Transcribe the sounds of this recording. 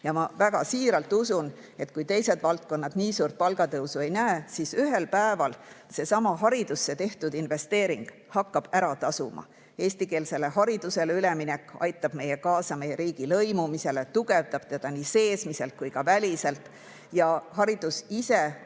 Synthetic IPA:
jɑmɑvæɡ̥ɑsiːɾɑlt̪ːˑusun | e̞t̪kujt̪e̞jse̞d̪vɑlt̪̚ko̞nːɑd̪̥niːsuːrt̪̚pɑlɡ̥ɑt̪ɤwsue̞jnæesisyɦe̞lpæevɑlse̞sɑmɑɦɑɾid̪̥usːe̞t̪e̞ht̪ud̪inve̞st̪e̞ːɾiŋɡ̥ | hɑkːɑb̥æɾɑt̪ɑsṵmɑ̰ | e̞ːsʲt̪ike̞ːlse̞le̞hɑɾid̪̥use̞leyle̞minekːˑɑ̰jt̪ːˑɑb̥me̞jekɑːsɑme̞jeɾiːɡ̥ilɤ̞jmumise̞le̞t̪uɡ̥e̞vt̪ɑb̥̚t̪e̞d̪̥ɑnise̞ːsmise̞lt̪̚kujkɑvælʲise̞lt̪ | jɑhɑɾid̪̥usise̞

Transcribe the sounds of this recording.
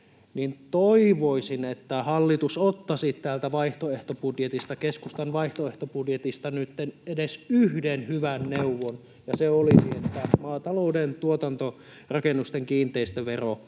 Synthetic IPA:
nint̪oiʋoisinet̪ːæhɑlːit̪usot̪ːɑsit̪t̪æːlt̪æʋɑiht̪oeht̪opudjet̪ist̪ɑkeskust̪ɑnʋɑiht̪oeht̪opudjet̪ist̪ɑnyt̪ːenedesyhdenhyʋænneuʋːon | jɑseolisiet̪ːæmɑːt̪ɑloudent̪uot̪ɑnt̪o | rɑkenːust̪eŋkiːnt̪ˑeist̪øʋero

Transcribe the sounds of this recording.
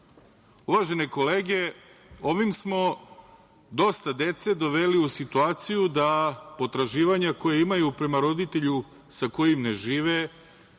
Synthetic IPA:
uʋaʒe̞ne̞ko̞leːɡe | o̞ʋimsmo̞ | d̪o̞st̪ad̪e̞t̪se̞d̪o̞ʋe̞liusit̪uaːt̪sijud̪apo̞t̪ɾaʒiːʋaɲako̞jeimajupɾe̞maɾo̞d̪it̪e̞ʎu | sako̞jimne̞ʒiːʋe

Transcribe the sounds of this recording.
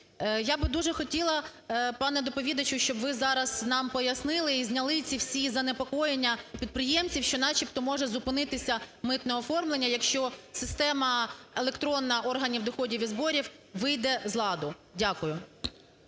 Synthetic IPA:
jabɪd̪uʒɛxɔtʲilˠɐpɑnɛd̪ɔpɔʋʲid̪ɐt͡ʃʊʃt͡ʃɔbʋɪzɑɾɐz̥nɑmpɔjɐsnɪlˠɪizʲnʲɐlˠɪt͡sʲiwsʲizɐnepɔkɔjenʲːɐpʲid̪̚pɾɪjɛmt͡sʲiwʃt͡ʃɔnɑt͡ʃipt̪ɔmɔʒɛzʊpɪnɪt̪ɪsʲɐmɪt̪nɛɔfɔrmlˠenʲːɐjɐkʃt͡ʃɔsɪst̪ɛmɐelˠekt̪ɾɔnːɐʔɔrɦɐnʲiwd̪ɔxɔdʲiʋʲid̪zbɔɾʲiwʋɪjd̪ɛzlˠɑd̪ʊ | dʲakʊjʊ

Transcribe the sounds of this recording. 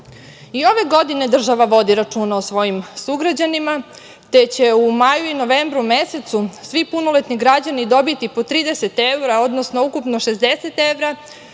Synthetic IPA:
io̞ʋe̞ɡo̞d̪ine̞d̪r̩ʒaʋaʋo̞d̪iɾat͡ʂuːnaosʋo̞jimsuɡɾad͡ʑanima | t̪et͡ɕe̞umajuino̞ʋembɾumese̞t̪susʋipunolet̪niɡɾad͡ʑanid̪o̞bit̪ipo̞t̪ɾiːd̪eset̪ewɾao̞d̪nosnoukupno̞ʃe̞zd̪e̞se̞t̪eʋɾa

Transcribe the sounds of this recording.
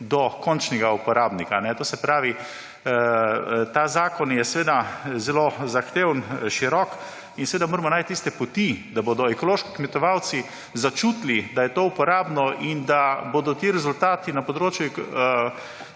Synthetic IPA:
d̪ɔkɔnt͡ʃnɛɡaupɔɾaːbnikanɛt̪oːsɛpɾaːʋi | t̪aːzaːkɔnjɛsʋeːd̪azɛlozaxt̪eːwnʃiɾɔk | insɛʋeːd̪amoːɾɛmɔnaːjt̪t̪ːist̪ɛpɔt̪id̪aboːd̪ɔɛkɔloːʃki̥kmɛt̪ɔʋawt̪si | zat͡ʃut̪lid̪ajɛt̪oupɔɾaːbnɔʔind̪abod̪ɔt̪iɾɛzult̪aːt̪inapɔd̪ɾoːt͡ʃju

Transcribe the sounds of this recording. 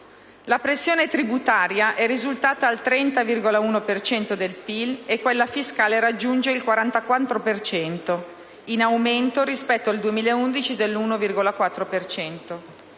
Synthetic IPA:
lapɾesːjoːnet̪ɾibut̪aːɾjaʔɛrizult̪aːt̪aːlt̪ɾɛnt̪avirɡolauːnopert͡ʃɛnt̪od̪elpilekːwelːafiskaːleɾad͡ʒːund͡ʒeilkwaɾant̪akwant̪ːɾopert͡ʃɛnt̪o | inawment̪oɾispɛt̪ːoald̪uemiːlaeund̪it͡ʃid̪elːuːnovirɡolakwat̪ːɾopert͡ʃɛnt̪o

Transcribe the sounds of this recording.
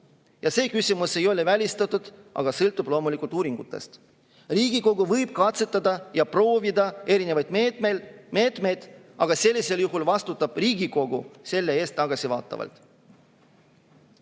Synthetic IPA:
jɑse̞ːkysʲimuse̞jo̞levælʲist̪ɑt̪ːˑud̪̥ʔɑ̰ɡ̥ɑsɤlt̪ːˑub̥lo̞ːmulikˑult̪uːɾiŋɡ̥ṵt̪ːˑe̞̰st̪ | riːɡ̥iko̞ɡuvɤjb̥̚kɑt̪se̞t̪ːˑɑd̪ɑjɑpro̞ːvid̪ɑe̞ɾine̞vɑjd̪̥ | meːt̪me̞jd̪̥ɑɡ̥ɑse̞lʲːise̞ljuɦulvɑst̪ut̪ːˑɑb̥riːɡ̥iko̞ɡuse̞lːee̞ːst̪ːɑɡ̥ɑsivɑ̰ːt̪ːˑɑ̰vɑ̰lt̪ˑ

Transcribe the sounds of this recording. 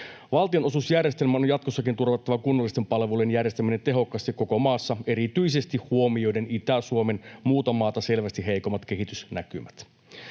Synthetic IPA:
ʋɑlt̪io̞no̞susjærjest̪elmæonjɑt̪̚kosːɑkint̪urʋɑt̪ːɑʋɑkunːolːist̪e̞mpɑlʋulenjærjest̪æmine̞nt̪e̞ɦo̞kːˑɑst̪ikːo̞ko̞mɑːsːɑe̞ɾit̪yise̞st̪ihhuo̞mio̞jde̞nit̪æsuomenmuːt̪ɑmɑːt̪ɑse̞lʋæst̪iɦe̞jko̞mːɑt̪k̟e̞ɦit̪ysnæ̰kymæt̪

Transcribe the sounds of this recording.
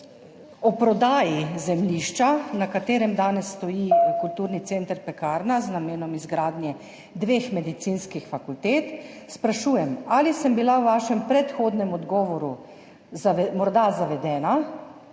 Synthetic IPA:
ɔpɾɔd̪aːjizɛmliːʃt͡ʃanakat̪eːɾɛmd̪aːnɛsːt̪ɔjikult̪uːɾnit̪sent̪əɾpɛkaːɾnaznameːnɔmizɡɾaːd̪njɛ | d̪ʋeːxmɛd̪it̪sinskixfakult̪eːt̪ | spɾaʃuːjɛmalisəmbilawʋaːʃɛmpɾɛt̪xoːd̪nɛmɔd̪ɡɔːʋɔɾu | mɔɾd̪azaʋɛd̪ɛːna

